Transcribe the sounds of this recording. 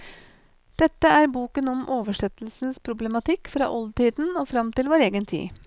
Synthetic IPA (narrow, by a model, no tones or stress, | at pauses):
d̪̥ɛt̪ːəæɾbuːkənɔmʔoːʋəʂɛt̪l̩sn̩spʰɾʊblɛmɑt̪ʰɪkːfɾɑ̰ːʔɔlt̪ʰiːd̪n̩oːfɾɑmt̪ɪlʋoːɾeːɡənt̪ʰḭː